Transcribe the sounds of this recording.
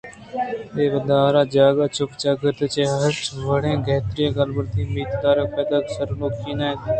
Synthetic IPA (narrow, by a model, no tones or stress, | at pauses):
eːbəd̪aːɾaːd͡ʒaːɡaːt͡ʃʊkt͡ʃaːɡət̪ːt͡ʃeːɦəʈʋəɽẽːɡʱeːt̪ɾijẽɡəlbəɾt̪iːmiːt̪d̪aːɾepeːd̪aːksəɾloːkʰiːnaːet̪ː